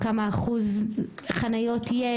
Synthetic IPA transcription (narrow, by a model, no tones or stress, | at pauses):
kamaːχuz | χanajotʰije